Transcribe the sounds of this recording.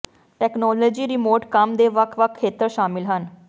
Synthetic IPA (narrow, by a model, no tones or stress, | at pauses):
ʈɛːknɔːlɔːd͡ʒiːɾɪmoːɾʈkəmd̪eːʋəkʰʋəkʰːeːt̪əɾʃaːmɪlɦən